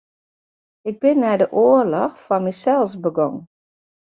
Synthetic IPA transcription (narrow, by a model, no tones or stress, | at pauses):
ɪɡ̚bɪnːɛjdəʔoərlɔxfɑnmisɛlˠsbəɡɔŋ